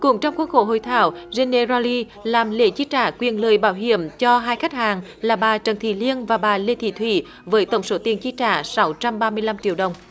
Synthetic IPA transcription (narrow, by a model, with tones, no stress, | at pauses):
kʊ˧˥˦ŋ͡mt͡ɕɔ˧wŋ͡mku˦˥ək̚xo̰˧˦ɦo̰˧˨jt̪ʰa̰ː˧˩wze˧nːe˧za˧li˧ | laː˨˩mlḛ˧˥t͡ɕi˧˥t͡ɕa̰ː˧˩kwi˨˩ənləː˨jɓaː˧˩wɦḭ˧˨əmt͡ɕɔ˧ɦaː˧jxa˦˥k̚haː˨˩ŋ | laː˨˩ɓaː˨˩t͡ɕə˨˩nt̪ʰḭ˧˨˩li˧ənvaː˨˩ɓaː˨˩le˧t̪ʰḭ˧˩t̪ʰwḭ˧˩ | vəː˨˦jt̪ə̰˧˩wŋ͡mso˨˦t̪i˨˩ənt͡ɕi˧˥t͡ɕa̰ː˧˩sa˨˦wt͡ɕa˧mɓaː˧mɨ˧əjla˧mt͡ɕḭ˧˨əwɗə˨˩wŋ͡m